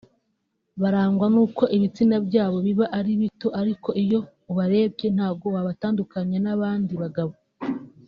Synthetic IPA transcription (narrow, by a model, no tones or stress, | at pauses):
βaɾaːŋɡwanuːko̞ʔiβit͡sinabɟaːβo̞βiβaʔaɾiβito̞ʔaɾiko̞ʔijo̞ | uβaɾe̞ːb̚ɟe̞n̥haːβɡo̞waβataːndukaɲenaβaːndiβaɡaβo